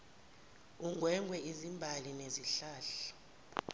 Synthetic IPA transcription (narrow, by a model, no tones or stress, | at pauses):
uŋɡʱwɛŋɡʱwɛizimbʱalineziɬaːɬḁ